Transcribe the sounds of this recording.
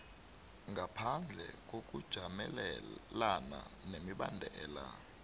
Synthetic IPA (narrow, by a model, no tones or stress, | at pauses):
ŋɡʱapʰand͡ɮʱɛ̰k̬ʼok̬ʼud̥ʒ̥ʱamɛllana̰nemiɓandʱɛːla̰